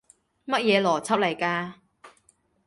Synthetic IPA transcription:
mɐ˥t̚jɛː˨˧lɔː˨˩t͡sʰɐ˥p̚lɐ˨˩jkaː˧

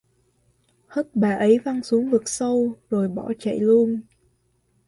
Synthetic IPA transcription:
hə˦˥t̚ɓaː˨˩ʔə˨˦jva˧ŋsu˨˦əŋvɨ˨˩k̚sə˧wzo˨˩jɓɔ˧˩t͡ɕə̰˧˨jlu˧ən

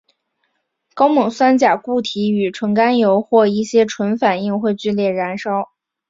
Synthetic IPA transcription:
kɑ˥ʊmɤ˨˩ŋswa˥nt͡ɕja˨˩ku˥˩t̪ʰi˧˥y˨˩ʈ͡ʂʰwɤ˧˥ŋka˥njo˧˥ʊxwɔ˥˧i˥˩ɕjɛ˥ʈ͡ʂʰwə˧˥nfa˨˩ni˥˧ŋxwe˥˧ɪt͡ɕy˥˧ljɛ˥˩ɻa˧˥nʂɑ˥ʊ

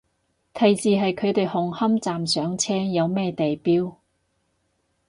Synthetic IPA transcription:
t̪ʰɐ˨jt͡siː˨˧ɦɐ˨jkʰɵ˨˧ɥt̪e˨jhʊ˨ŋhɐ˥mt͡saː˨msœː˨˥ŋt͡sʰɛː˥jɐ˨˧wmɛː˥t̪e˨jpiː˥w

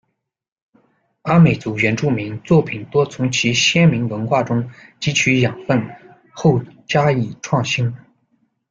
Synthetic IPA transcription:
a˥nme˨˩ɪt͡su˧˥ɥɛ˧˥nʈ͡ʂu˥˩mi˧˥ŋt͡swɔ˥˩pʰi˨˩nt̪wɔ˥t͡sʰʊ˧˥ŋt͡ɕʰi˧˥ɕjɛ˥nmi˧˥ŋwə˧˥nxwa˥˩ʈ͡ʂʊ˥ŋt͡ɕi˧˥t͡ɕʰy˧˥jɑ˨˩ŋfə˥˧n | xo˥˩ʊt͡ɕja˥i˥˩ʈ͡ʂʰwɑ˥˩ŋɕi˥n

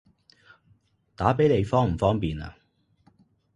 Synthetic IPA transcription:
t̪aː˨˥pe˨˥jle˨˧jfɔː˥ŋm̩˨˩fɔː˥ŋpiː˨na̰˧˨

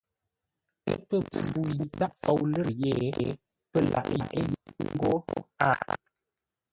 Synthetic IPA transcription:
ə̰˦pə˦˨pu˨ji˨ta˦ʔfɔ˨wlə˦ɾjɛ˦˨˦ | pə˦˨lʔa̰˨ʔʔḛ˦ji˨˦ŋ˦ɡo˦a̰˦˨

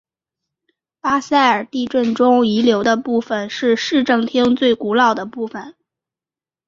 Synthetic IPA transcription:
pa˥sa˥˩ɪə˞˨˩t̪i˥˧ʈ͡ʂwə˥˩nʈ͡ʂʊ˥ŋi˧˥ljo˧˥ʊd̪ə˧pu˥˩fə˩nʂɻ̩˥˧ʂɻ̩˥˧ʈ͡ʂɤ˥˩ŋt̪ʰi˥ŋt͡swe˥˩ɪku˧˥lɑ˥˩ʊd̪ə˩pu˥˩fə˩n

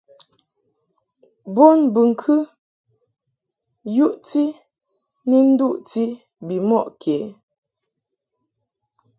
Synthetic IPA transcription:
bo˦nbə˨ŋ̩˨kʰɨ˦ | ju˦ʔti˦ | ni˦n̩˦du˦ʔti˦ | bi˨mɔ˦˨ʔkʰe˨˦

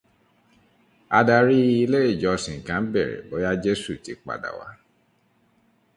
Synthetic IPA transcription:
a˧da˧ɾi˦˧i˧le˦e˦˨d͡ʒɔ˧sĩ˨ŋ̩˨kã˨˦bɛ˦˨ɾɛ̰˨bo˨˦ja˦d͡ʒe˦su˦˨ti˨˦k͡pa̰˨da̰˨wa̰˨˦

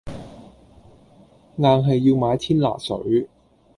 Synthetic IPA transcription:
ŋaː˨˧ŋɦɐ˨jːiː˧wmaː˨˧˥jt̪ʰiː˥nla̰ː˨˩sɵ̰˨˥ɥ

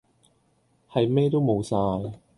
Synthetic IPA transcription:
hɐ˨jmɛː˥t̪̬o˥wmo˨˧wsaː˧j

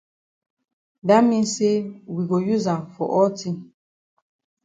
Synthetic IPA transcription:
da˦mi˦se˦wi˨ɡo˨ju˦za˨fɔ̰˨ʔɔ˦ti˦

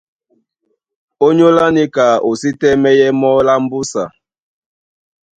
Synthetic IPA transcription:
o˦ɲo˦la˦ni˦ka˨o˨si˦tɛ˦mɛ˦jɛ˦mɔ˦la˦m̩˦bu˦sa̰˨

